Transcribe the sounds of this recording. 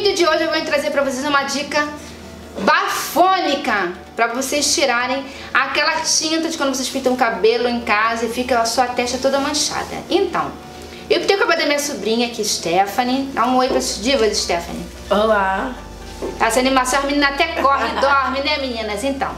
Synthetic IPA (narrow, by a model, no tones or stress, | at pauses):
d̪ɐd͡ʒɪoʒɪewvõɲʊt̪ɾazeɾpɾɐvos̬ejzũmɐd͡ʒikɐ | bafõnikɐ | pɾɐvosest͡ʃiɾaɾẽj̃ | akɛlɐt͡ʃĩnt̪ɐd͡ʒɪkɐ̃d̪ʊvos̬esʃpĩt̪ɐ̃ũkabelʊẽj̃kazɐɪfikɐ̃ɐsuɐt̪ɛʃt̪ɐt̪od̪ɐmɐ̃ʃa̰d̪ɐ̰ẽt̪ɐ̰̃w̃ | ewt̪ẽjkabed̪ɐmĩɲɐsubɾĩɲɐakiɪʃt̪ɛfɐnɪd̪aũojpɾɐsd͡ʒivɐzɪʃt̪ɛfɐ̰nɪ | ãla | azɐnimasõɐmĩnĩnɐat̪ɛkɔɦnɪd̪ɔɾmɪnɛminĩnɐzẽnt̪ɐ̃w̃